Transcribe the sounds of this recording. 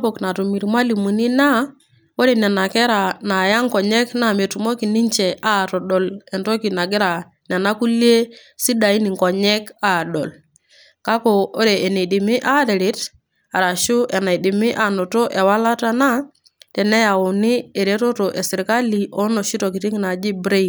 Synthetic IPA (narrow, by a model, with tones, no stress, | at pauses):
pɔ˨kna˨tu˨mi˨ɾi˨ma˦li˨mu˨ni˦na˦ | o˦ɾɛ˨nɛ˨na˨kɛ˦ɾa˨na˨ja˦ŋkɔ˨ɲɛ˦kna˦˨me˨tu˨mɔ˦ki˨ni˦ɲt͡ʃɛ˨ʔa˦˨tɔ˨ɗɔ˨lɛ˨nto˦ki˨na˨ɡɪ˦ɾa˨ | nɛ˨na˦ku˦li˦e˦ | si˦da˨i˦ni˨ŋ˨kɔ˨ɲɛ˦ka˦˨ɗɔ̰˨l | ka˦kɔ˨o˦ɾeː˨ne˨di˨mi˦ʔa˦˨ɾɛ˨ɾɪ˨˦t | a˨ɾa˨ʃu˦ʔɛ˨na˨i˨di˨mi˦ʔa˨no˨to˦ʔɛ˨wa˦la˦ta˦na˦ | tɛ˨nɛ˦ja˨wu˨ni˦e˨ɾe˦to˦to˨ʔɛ˨si˨ɾka˦li˨ʔɔ˦no˨ʃi˦to˨ki˨ti˦ŋ˦na˨d͡ʒi˦bɾe˦i˨